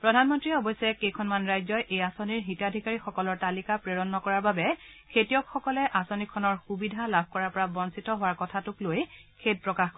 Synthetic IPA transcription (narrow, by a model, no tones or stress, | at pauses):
pɹɔdʱanmɔntɹiɛɔbɔjsɛkejkʰɔnmanɹajzɔjʔejasoniɹɦitadʱikaɹixɔkɔlɔɹtalikapɹeɹɔnːɔkɔɹaɹbabɛ | kʰetijɔkxɔkɔlɛʔasonikʰːɔnɔɹxubidʱalab̚ʱkɔɹaɹpɔɹabɔnsitɔɦʊwaɹkɔtʰatʊklojkʰet̚pɹɔkaxk